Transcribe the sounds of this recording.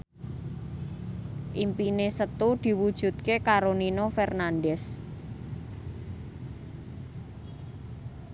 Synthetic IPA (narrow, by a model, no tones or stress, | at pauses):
ʔimpinesət̪ud̪̥i̤wud̥ʒ̥ṳt̪̚kekaɾoninofɛrnanɖɛs